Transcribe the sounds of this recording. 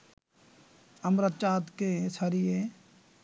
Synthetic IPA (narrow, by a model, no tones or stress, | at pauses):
ɐmɾət̪t͡ʃaːt̪kesɐɾije